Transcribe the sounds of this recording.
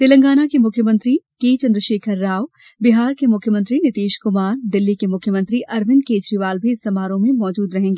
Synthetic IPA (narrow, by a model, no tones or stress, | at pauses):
t̪ɪlə̃ŋɡaːnakemʊkʰjəmə̃nt̪ɾikeːt͡ʃɐ̃nd̪ɾəʃeːkʰəɾːaːʋ | bɪɦaːɾkemʊkʰjəmə̃nt̪ɾinɪt̪eːʃkʊmaːɾd̪ɪlːikemʊkʰjəmə̃nt̪ɾiʔɐɾʋɪ̃nkeːd͡ʒɾiʋaːlbʱiɪsːɐmaːɾõmẽmɔːd͡ʒuːd̪ɾɐɦẽːŋɡeː